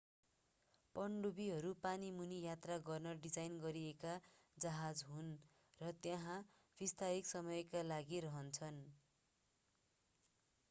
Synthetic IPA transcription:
pʌɳɖubiɦʌɾupanimunijat̪raɡʌrnʌɖid͡zajnɡʌɾiekad͡zʌɦad͡zɦun | rʌt̪jãɦã | b̥ist̪ʰaɦiksʌmʌjkalaɡiɾʌɦʌnt͡sʰʌn

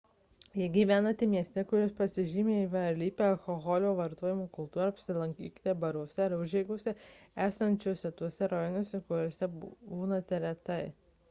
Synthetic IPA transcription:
jɛɡʲiːʋʲæːnɐt̪ʲɪmʲiɛsʲt̪ʲɛkʊɾʲospɐsʲɪʒʲiːmʲeːiʋʲɐɐɾlʲiːpʲeːɐlˠkɔɣɔlʲoːʋɐɾt̪oɔːjɪmuːkʊlˠt̪uːɾɐɐpʲsʲɪlˠɐŋʲkʲḭːkʲt̪ʲɛbɐɾuɔsʲɛɪɾʊʒʲɛːɡʊsʲɛæːsɐnʲt͡ʃʲuɔsʲɛt̪uɔsʲɛɾɔjɪnʲuːsʲɛkʊɾʲoːsʲɛbuːnɐt̪ʲɛɾʲɛt̪ɐɪ

